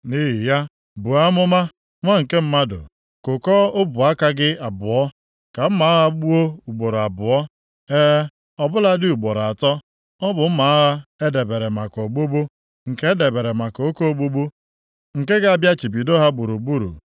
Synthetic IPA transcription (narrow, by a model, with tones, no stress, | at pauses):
ni˦ɦi˨ja˦ | bʊ˨a˦mʊ˦ma˦ | ŋʷa˦ŋ̩˨ke˦m̩˦ma˦dʊ̰˨ | kʊ˨kɔ˦o˦bʊ˨a˦ka˦ɡɪ˦a˨bʊ˨ɔ˦ | ka˨m̩˦ma˨˦a˦ɦa˦ɡ͡bu˦o˦u˨ɡ͡bo˨ɾo˨a˨bʊ˨ɔ˦ | e˦ | ɔ˨bʊ˦la˦dɪ˦u˨ɡ͡bo˨ɾa˨tɔ˦ | ɔ˦bʊ˨m̩˦ma˨a˦ɦa˦e˦de˨be˨ɾe˨ma˨ko˨ɡ͡bu˦bu˦ | ŋ̩˨ke˦e˦de˨be˨ɾe˨ma˨ko˨o˦ko˦ɡ͡bu˦ɡ͡bu˦ | ŋ̩˨ke˦ɡa˦a˨bja˦t͡ʃi˨pi˨do˦ɦa˦ɡ͡bu˨ɾu˨ɡ͡bu˦ɾṵ˨